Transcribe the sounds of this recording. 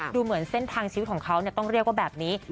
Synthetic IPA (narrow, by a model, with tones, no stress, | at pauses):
duː˧mɯ˩˦ənse˥˩nt̪ʰaː˧ŋt͡ɕʰiː˧˦t̪̚kʰːŋkʰa˦˥wni˥˩t̪ɔ˥˩ŋɾi˥˩ək̚wa˥˩bɛː˨˩p̚niː˦˥